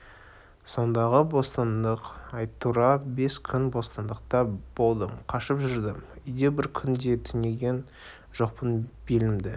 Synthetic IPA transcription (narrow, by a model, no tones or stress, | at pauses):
so̞nd̪ɑʁəbo̞st̪ɑnd̪əqɑjt̪ːuɾɑbe̞skʲʰʏnbo̞st̪ɑnd̪əqt̪ɑb̥o̞lˠd̪əmqʰɑʃəpʒʏɾd̪ɪmʏjd̪e̞bɪɾkʲʰʏnd̪e̞t̪ʰʏne̞ɡʲe̞n | ʒoq̚pənbe̞lɪmd̪ɪ